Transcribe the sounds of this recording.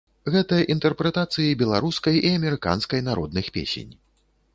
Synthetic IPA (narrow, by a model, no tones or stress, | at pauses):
ɣɛt̪ɐjɐʔint̪ɛrpɾɛt̪at̪sɨjibʲɛlˠaɾuskɐjʔiɐmʲɛɾɨka̰nskɐjnaɾɔd̪nɨxpʲḛsʲḛnʲ